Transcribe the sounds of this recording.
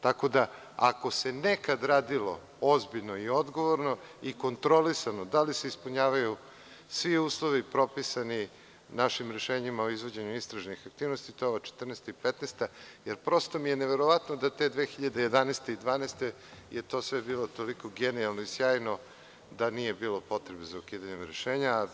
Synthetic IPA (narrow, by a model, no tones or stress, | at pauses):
t̪ako̞d̪a | ako̞se̞nekad̪ɾaːd̪ilo̞̰ | ozbiʎnoio̞d̪ɡo̞ʋoɾno̞iko̞nt̪ɾo̞lisanod̪alise̞ispuɲaːʋaju | sʋiuːslˠo̞ʋipɾo̞pisani | naʃimɾe̞ʃeːɲimaoizʋod͡ʑeɲuist̪ɾaʒnixak̚t̪iːʋnost̪it̪oʋat͡ʃe̥t̪r̩nest̪aipet̪nest̪ajeɾpɾo̞st̪omijeneʋeɾo̞ʋat̪nod̪at̪e̞d̪ʋeːxiʎad̪eje̞d̪aneːst̪eid̪ʋaːnest̪e | jet̪o̞sʋebiːlo̞t̪o̞liko̞ɡenialˠnoisjaːjno̞ | d̪anije̞biːlˠo̞po̞t̪ɾebezaukiːd̪aɲemɾeʃeːɲaː